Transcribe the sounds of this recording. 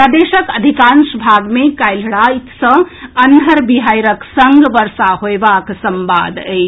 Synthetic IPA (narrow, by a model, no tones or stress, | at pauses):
pɾəd̪eʃəkəd̪ʱikãnsbʱaɡmẽkajlɽait̪sə̃ənɦəɾbiɦajɾəksəŋɡʋəɾsaɦoebaksəmba̰d̪e